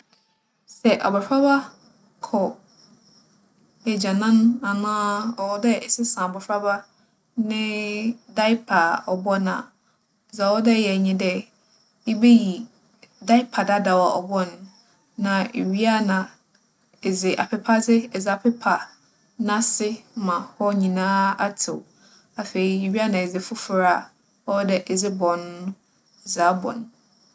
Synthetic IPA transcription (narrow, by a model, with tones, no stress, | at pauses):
sɛ˨ʔa̰˨bɔ˨fɾa˦ba˦ | kʰɔ˨ | ɛ˨d͡ʑa˨nã˦na˨nãː˦ɔ˨ɔ˦dɛ˦ɛ˨sɪ˦sã˨bɔ˨fɾa˦ba˦ | nɪ̃˦da˦ɪ˦pʰa˨ɔ˨bɔ˦nã̰˨ | za˨ɔ˦dɛ˦˨jɛ˨ɲĩ˦dɛ˦ | i˦be˦ji˨ | da˦ɪ˦pʰa˨da˦da˨wa˨ʔɔ̰˨bɔ˦nː˦ | ã˨e˨ɥi˦a˦nã˨ | ɛ˨zɪ˨ʔa̰˨pʰɪ˦pʰa˦d͡zɪ˦˨zɪ˨a˨pʰɪ˦pʰa˨ | nã˦sɪ˦mã˨hɔ˦ɲĩ˨nãː˦a˦tʰɪ˨w | a˨fe˨i˦e˨ɥi˦a˦nã˨ɛ˨zɪ˨fʊ˦fʊ˨ɾa˦˨ | ɔ˦dɛ˨ʔɛ˨zɪ˦bɔ̃˨n˦ʊ̃˦˨ | za˨˦bɔ̰̃˨n˨